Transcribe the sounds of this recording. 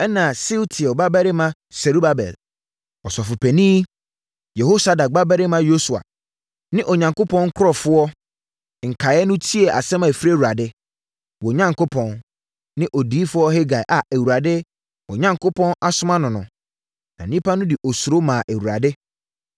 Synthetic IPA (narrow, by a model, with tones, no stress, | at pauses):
ɛ˦nã˨sɪ˦wtʰɪ˨ɔ˨ba˦bæ˦ɾɪ˦mã˦ | sɛ˨ɾu˦ba˦bɛ̰˨l | ɔ˨sɔ˨fʊ˨pʰɛ˨nĩ˦ | jɛ˨ho˦sa˨da˨ɡ͡ba˦bæ˦ɾɪ˦mã˦jo˦su˨a̰˨ | nɪ̃˦ʔɔ˨ɲã˨ŋko˦pʰɔ̃˦nŋ̩˦kʰʊ˦ɾɔ˨fʊ˦ɔ˦˨ | ŋ̩˨kʰa˨ɛ˦nʊ̃˦tʰi˦ɛ˨ʔa̰˨sɛ˦mã˨fi˦ɾe˦wu˨ɾa˨dɪ˦ | wɔ˨ɲã˦ŋkʰo˦pʰɔ̃˨n | nɪ̃˦ʔɔ˨di˨˦fʊ˦ɔ˦ɦɛ˦ɡa˨ʔa˨ʔæ˨wu˨ɾa˨dɪ˦ | wɔ˨ɲã˨ŋkʰo˦pʰɔ̃˦na˦sʊ˦mã˦nʊ̃˨nʊ̃˨ | nã̰˨nĩ˦pʰa˦nʊ̃˦dɪ˨ʔɔ˨su˨ɾo˦mãː˨ʔæ˨wu˨ɾa˨dɪ˦